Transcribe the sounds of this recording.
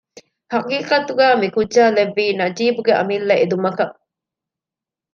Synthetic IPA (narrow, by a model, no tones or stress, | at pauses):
hɐqiːqɐt̪uɡæːmikuʒaːleʋːiːnɐd͡ʒiːbuɡeʔɐ̰milːɐʔed̪umɐkɐ